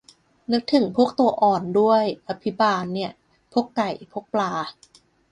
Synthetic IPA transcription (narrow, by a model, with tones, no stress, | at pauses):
nɯ˦˥k̚t̪ʰɯ˨˩˦ŋpʰu˥˩ək̚t̪u˧ɐʔɔː˨˩ndu˥˩əjʔa˧pʰi˦˥baː˧nːi˥˩ə | pʰu˥˩əkka˨˩jpʰu˦˥˩k̚plaː˧